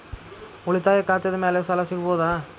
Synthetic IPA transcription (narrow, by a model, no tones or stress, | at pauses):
ɔɭɪt̪ːaːjɐkaːt̪ːɪɐðɯmeːlesɐlaːsɪkːpoːðaː